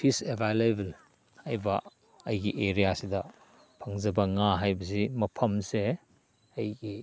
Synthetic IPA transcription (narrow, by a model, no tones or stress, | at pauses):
pʰisebʱajlebɐl | hajbɐ | ɐjɡiʔeɾijasidɐ | pʰɐŋzɐbɐŋaɦajbɐs̬imɐpʰɐmse | ɐjɡi